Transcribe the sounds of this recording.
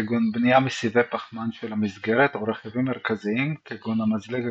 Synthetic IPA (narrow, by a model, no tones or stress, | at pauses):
ɡunbnijamesivepaχmanʃelhamizɡeɾet̪oɾeχevimːeɾkaziimkeɡunamazleɡ